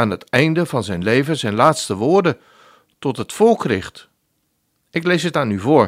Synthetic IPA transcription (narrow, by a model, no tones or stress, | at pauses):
aːnɦətɛjndəvɑnzɛjnlejvəzɛjnlaːtstəʋʊːɹdə | tɔtɦətfɔlˠkrɪχt | ɪklejsɦətaːnyvʊːɹ